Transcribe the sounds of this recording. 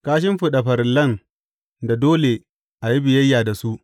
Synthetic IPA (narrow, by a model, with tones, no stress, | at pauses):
kaː˦ʃ̬ɪ˦mɸʊ˨ɗa˨ɸɐ˨ɾɪ˨lːɐ˦˨n | da˨doː˦le˨ | ʔa˨ji˦bɪ˨jɐ˦jːaː˨da˨su˦ʔ